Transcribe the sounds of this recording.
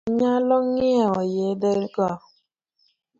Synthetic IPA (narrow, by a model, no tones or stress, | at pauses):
ɲalɔŋɪaɔjedeɾɡɔ